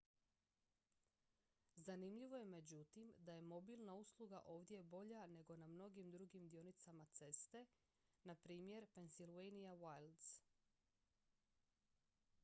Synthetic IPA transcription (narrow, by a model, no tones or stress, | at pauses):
zanimʎiʋo̞je̞me̞d͡ʑut̪imd̪aje̞mo̞bilˠnauslˠuɡa̰ʔo̞ːʋd̪je̞bo̞ʎane̞ɡo̞namno̞ɡimd̪ɾuɡimd̪ijo̞nit̪samat̪se̞st̪e̞ | napɾiːmje̞ɾpe̞nsilʋejnijawajld̪s